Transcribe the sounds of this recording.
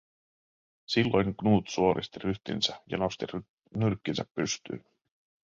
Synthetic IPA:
silːo̞jŋknuːt̪suo̞ɾʔḭst̪iryht̪ḭnsæjɑ̰nost̪i | nyrkːinsæpːyst̪y̰ː

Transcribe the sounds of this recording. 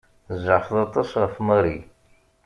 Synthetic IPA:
zaʕfðˤɑt̪ˤɑsfməɾi

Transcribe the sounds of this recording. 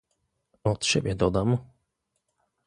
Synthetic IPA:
ɔt̪ɕɛ̰bʲjɛd̪ɔd̪am

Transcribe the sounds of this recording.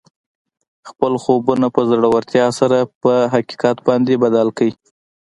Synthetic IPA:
xpəlxobunapəzəɽawaɾt̪jɑsaɾapəɦaki̥kat̪bɑnd̪ebad̪alkawi

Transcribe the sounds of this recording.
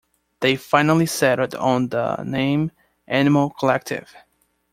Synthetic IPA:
ðeɪfãɪ̃nl̩ˠisɛɾə˞ɾn̩ðə̰nẽɪ̃m | ʔænɨml̩ˠkʰəlɛk̚tʰɪ̰v̥

